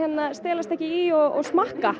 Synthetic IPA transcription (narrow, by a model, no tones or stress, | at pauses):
ɛt̪nast̪ɛːlast̪ɛhcɪiɔɣɔ̰ɣsmahka